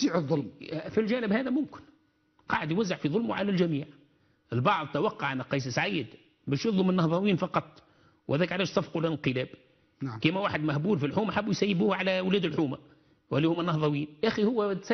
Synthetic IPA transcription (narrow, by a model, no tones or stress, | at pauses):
iːʕəðˤːʊlmfilʒæːnɪbhæːðæmʊmkɪ̥n | qɑːʕɪd̪jwæzːaʕfiðˤʊlmuʕalælʒæmiːʕ | ʔɪlbɑʕðˤt̪awɑqːɑʕanːæqːɑjːs̬ɪsʕajːɪd̪ | bæːʃjɑðˤlʊmɪnːɑhðˤɑwiːnfɑqɑt̪ˤ | whæðæːkʕalæːʃsˤɑfqulɪnqɨlæːb | kæːmæwaːħɪd̪mæhbuːlfilħuːmæħabːujsæjːɪbuːhʕalæwlæːd̪ɪlħuːma | wʔælːiːhʊmænːɑhðˤɑwiːnʔæxihʊwːæs